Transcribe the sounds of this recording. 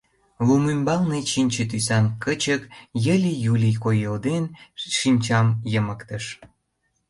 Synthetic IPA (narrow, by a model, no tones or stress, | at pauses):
lumymbɑlnet͡ɕinʲt͡ɕet̪̬ysɑnkət͡ɕəkjəlʲijulʲijkojeld̪enʃinʲt͡ɕɑmjəmə̆kt̪ə̆ʃ